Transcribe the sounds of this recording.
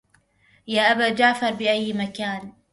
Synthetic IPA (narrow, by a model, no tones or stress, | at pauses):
jaːʔabaːd͡ʒaːfɑɾˤbɪʔajːmakaːn